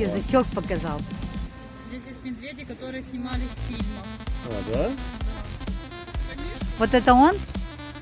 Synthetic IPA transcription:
əzɨt͡ɕok̚pəkɐzalˠ | zʲdʲesʲjesʲt̪ʲmʲɪd̪vʲedʲɪkɐt̪o̞ɾɨjəsʲnʲɪmalʲɪsʲfʲilʲməma̰d̪ad̪a | kɐnʲeʂvo̞t̪ɛt̪əo̞n

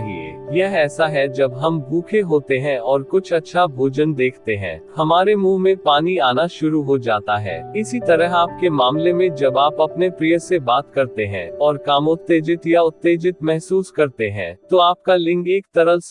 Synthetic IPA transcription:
ɦiḛːjɛɦɛːsaɦɛd͡ʒɐbɦɐmɡʱuːkʰeɦoːt̪eɦɛ̃ɔːɾkʊt͡ʃʰɐtːʃʰabʱoːd͡ʒənd̪eːkʰt̪eɦɛ̰̃ːhɐmaːɾemũːmẽpaːniaːnaʃʊɾuɦod͡ʒaːt̪aɦɛ̰ːɪsit̪ɐɾəɦaːp̚kemaːmlemẽd͡ʒɐbaːpɐpnepɾijəsebaːt̪kɐɾt̪eɦɛ̰̃ːɔːɾkaːmot̪ːeːd͡ʒɪt̪jaʊt̪ːeːd͡ʒɪt̪mɛɦsuːskɐɾt̪eɦɛ̰̃ːt̪oaːp̚kalɪ̃ŋɡeːk̚t̪ɐɾəls

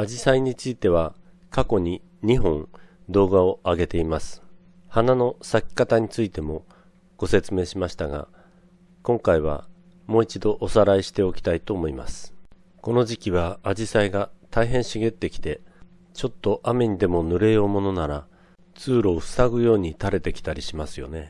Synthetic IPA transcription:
ad͡ʑisaiɲ̟it͡sɨit̪e̞β̞a | kako̞ɲ̟i | ɲ̟iɦõ̞ɴ | d̪o̞ːɡao̞ʔaɡe̞t̪e̞imasɨ̥ | hanano̞sakʲi̥kat̪aɲ̟it͡sɨit̪e̞mo̞ | ɡ̥o̞se̞t͡sɨme̞ːɕimaɕi̥t̪aɡa̰ | kõ̞ŋkaiβ̞a̰ | mo̞ːit͡ɕid̪o̞ʔosaɾaiɕi̥t̪e̞o̞kʲi̥t̪ait̪o̞ːmo̞ima̰sɨ̥ | ko̞no̞ʑikʲiβaːʑisaiɡat̪aiɦẽ̞ɕiɡe̞t̪ːe̞kʲi̥t̪e̞ | t͡ɕo̞t̪ːo̞ʔame̞ɲ̟id̪e̞mo̞nɯ̟ɾe̞o̞ːmo̞no̞naɾa | t͡sɨːɾo̞ːɸɯ̟̥saɡɯ̟jo̞ːɲ̟it̪aɾe̞t̪e̞kʲi̥t̪aɾʲiɕimasɨjo̞ne̞

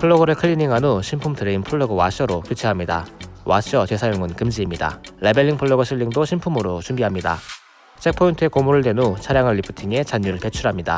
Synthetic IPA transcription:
pʰɯɭːoɡɯɾɯɭkʰɯʎːiniŋɦanoɕʰimpʰumtʰɯɾeinpʰɯɭːoɡɯwaɕ͈ʰʌɾokjut͡ɕʰeɦamɲida̰waɕ͈ʰiʌtwe̞sʰajoŋɯnkɯmd͡ʑiːmɲida̰ɾebe̞ʎːiŋpʰɯɭːoɡɯɕʰiʎːiŋdoɕʰimpʰumɯɾot͡ɕumbiɦamɲida̰ | t͡ɕʰe̞k̚pʰointʰɯe̞komuɾɯɭte̞not͡ɕʰaɾjaŋɯɭːipʰu̥tʰiŋe̞t͡ɕaɲːuɾɯɭpe̞t͡ɕʰuɾɦamɲida̰

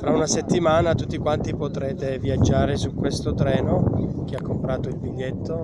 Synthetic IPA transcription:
fɾaunaset̪ːimaːnat̪ut̪ːikwant̪ipot̪ɾɛːt̪eviad͡ʒːaːɾesukːwest̪ot̪ɾɛːnok̟eakːompɾaːt̪oilbiʎːet̪ːo

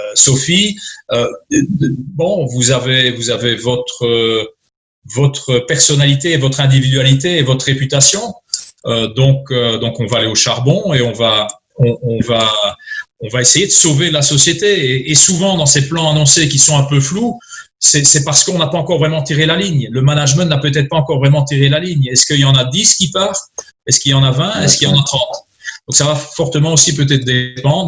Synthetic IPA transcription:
øsɔfiø | bɔ̃vuzavevuzavevɔt̪χə | vɔt̪χəpɛʁsɔnalit̪eːvɔt̪χɛ̃d̪ivid̪ɥalit̪eːvɔt̪χʁepyt̪asjɔ̃ | ød̪ɔ̃kød̪ɔ̃kɔ̃vaːleoʃaʁbɔ̃eɔ̃va | ɔ̃ɔ̃va | ɔ̃vaesejed̪əsovelasɔsjet̪eeːsuvɑ̃d̪ɑ̃seplɑ̃anɔ̃sek̬ʲisɔ̃ɛ̃pøflu | sɛsɛpaʁsə̥kəɔ̃napaɑ̃kɔʁvʁɛmɑ̃t̪iʁelaliɲləmanaʒmɛ̃napøt̪ɛt̪χpaɑ̃kɔʁvʁɛmɑ̃t̪iʁelaliɲɛskəiljɑ̃nad̪iskʲipaʁ | ɛskiljɑ̃navɛ̃ɛskiljɑ̃nat̪χɑ̃t̪ | d̪ɔ̃ksavafɔʁt̪əmɑ̃osip̬øt̪̬ɛt̪χd̪epɑ̃d̪ʁ

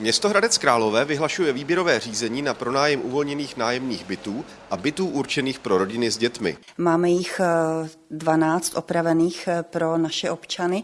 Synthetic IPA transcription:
mɲɛst̪oɦɾadɛt͡skɾaːlo̞vɛːvɪɦlaʃujɛviːbjɛɾo̞vɛːr̝iːzɛɲiːnapɾo̞naːjɛmʔuvo̞lɲɛniːxnaːjɛmniːxbɪt̪uː | ʔabɪt̪uːʔuɾt͡ʃɛniːxpɾo̞ɾo̞ɟɪnɪzɟɛt̪mɪ̰ | maːmɛjɪx | dvanaːt͡st̪ʔo̞pɾavɛniːxpɾo̞naʃɛʔopt͡ʃanɪ

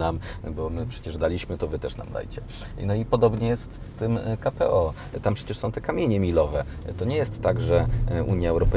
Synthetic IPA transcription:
nambɔmɘpʂɛt͡ɕɛʐd̪alʲiɕmɘt̪ɔvɘt̪ɛʂna̰md̪a̰jt͡ɕɛ | nɔipɔd̪ɔbɲɛjɛst̪st̪ɘmkapɛ̰ʔɔ | t̪ampʂɛ̥t͡ɕɛʂsɔ̃w̃t̪ɛkamʲjeɲɛmʲilɔvɛ | t̪ɔɲɛjɛst̪ːaɡʐɛṵɲjaɛwɾɔpɛ

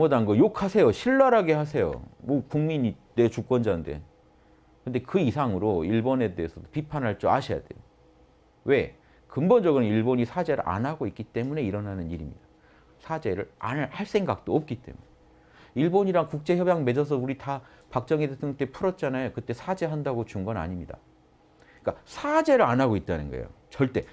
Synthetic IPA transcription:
mʌdanɡʌjokʰasʰe̞joɕʰiɭːaɾaɡe̞hasʰe̞jo̰mʌkuŋmiɲidet͡ɕuk͈wʌnd͡ʑande̞̰ | kɯnde̞kɯisʰaŋɯɾoiɭbone̞de̞ːsʰʌdopipʰanɦaɭt͡ɕ͈oa̰ɕʰija̰de̞̰jo | we̞ | kɯmbond͡ʑʌɡɯɾʌniɭboɲisʰad͡ʑe̞ɾɯ̰ɭʔa̰nɦaɡoik͈it͈e̞mune̞iɾʌnanɯniɾimɲḭd̥a | sʰad͡ʑe̞ɾɯɭa̰nɯhaɭs͈e̞ŋɡak̚t͈oʌp̚k͈it͈e̞̰mune | iɭboɲiɾaŋkuk̚t͡ɕ͈e̞çjʌbjaŋme̞d͡ʑʌs̬ʰʌuɾita | pak̚t͡ɕ͈ʌŋitesʰɯʌnt͈epʰuɾʌt̚t͡ɕ͈anajokɯt͈e̞sʰad͡ʑe̞ɦandaɡot͡ɕuŋɡʌna̰ɲimɲida̰ | ik͈asʰad͡ʑe̞ɾɯɭanaɡoit̚t͈anɯnɡʌ̰ḛjo̰t͡ɕʌɭt͈e̞

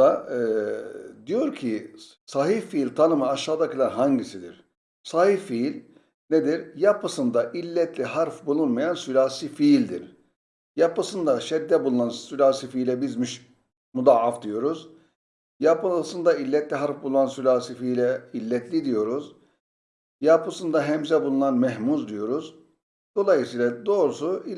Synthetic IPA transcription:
a | d̪ijo̞ɾcʰi | saɦifiːlʲt̪ʰanɯmɯaʃaːd̪akɯlˠaɾɦaɲɟisid̪iɾ̥ | sahifiilʲ | ned̪iɾjapʰɯsɯnd̪aʔilʲːɛt̪ʰlʲiɦaɾfbulˠunmajansylʲaːsifilʲd̪ḭɾ | japɯsɯnd̪aʃɛd̪ːɛbulˠunansylʲaːsifiːlʲɛbizmiʃ | mud̪aafd̪ijo̞ɾuz | japɯsɯnd̪ailʲːɛt̪lʲiɦaɾfbulˠunansylʲaːsifijlʲɛilʲːɛt̪ʰlʲid̪ijo̞ɾuz | japʰɯsɯnd̪aɦɛmzɛbulˠunanmɛɦmuzd̪ijo̞ɾuz | d̪̥o̞lˠajɯsiːlˠad̪o̞ːɾusui

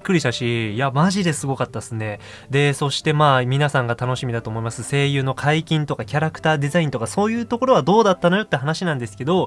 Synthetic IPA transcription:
kːɯɾʲiɕt̪aɕijamaʑid̪e̞sɨɡo̞kat̪ːasɨne̞ | d̪e̞so̞ɕi̥t̪e̞maːmʲinasãŋɡat̪ano̞ɕimʲid̪at̪o̞ːmo̞imasɨse̞ːjɯ̟ːno̞kʰaikʲĩnt̪o̞kakʲaɾakɯ̟̥t̪aːd̪e̞zaĩnt̪o̞kaso̞ːjɯ̟ːt̪o̞ko̞ɾo̞βad̪o̞ːd̪at̪ːano̞jo̞t̪ːeɦanaɕinãnd̪e̞sɨ̥ke̞d̪o̞

